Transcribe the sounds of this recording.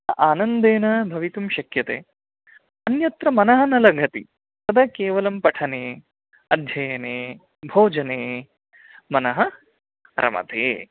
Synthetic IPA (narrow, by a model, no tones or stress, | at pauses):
ʔaːnɐnd̪eːnɐbʱɐʋit̪umʃɐkjɐt̪ḛː | ɐnjɐt̪ɾɐmɐnɐɦɐ̆nɐlɐɡʱɐt̪i | sɐd̪ɐkeːʋɐlɐmpɐʈʰɐneː | ɐd̪ʱjɐjɐneː | bʱoːd͡ʒɐneː | mɐnɐɦɐ | ɾʔɐ̰mɐ̰t̪ḛː